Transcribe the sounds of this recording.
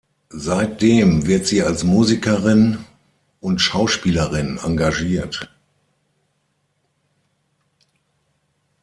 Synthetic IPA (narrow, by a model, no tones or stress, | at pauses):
zaɪt̚d̥eːmvɪɐtz̥iːalsmuːzikəʁɪn | ʔʊntʃaʊʃpiːləʁɪna̰ŋɡaʒiːɐt